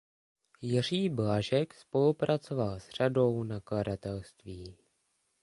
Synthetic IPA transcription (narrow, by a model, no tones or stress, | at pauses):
jɪr̝iːblaʒɛkspo̞lupɾʔat͡so̞valsr̝ado̞wnakladat̪ɛlst̪viː